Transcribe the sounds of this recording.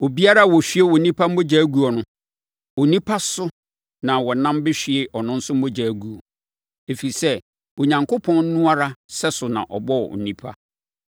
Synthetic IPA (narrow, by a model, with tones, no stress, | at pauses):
wo˨bi˦a˦ɾa˦˨wɔ˨ɕᶣi˦e˦wɔ˨nĩ˦pʰa˦m̩˦mõ˦d͡ʑa˨˦ɡu˦ɔ˨nʊ̃˦ | o˨nĩ˦pʰa˦sʊ˦ | nã˨wɔ˨nã˦mbɪ˦ɕᶣi˨e˨ʔɔ˨nʊ̃˦n̩˦sʊ˦m̩˦õ˦d͡ʑa˨˦ɡu˨ɔ˨ | e˨fi˨i˨sɛ˦ | o˨ɲã˨ŋkʊ˦pʰɔ̃˦n̩˦nũ˦a˦ɾa˦sɛ˦sʊ˨nã̰˨ʔɔ̰˨bɔ̰˦˨ʊ̰˨nĩ˦pʰa̰˦